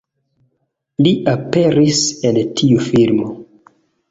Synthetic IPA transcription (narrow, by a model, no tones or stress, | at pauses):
liʔape̞ɾise̞ltʰiufilmo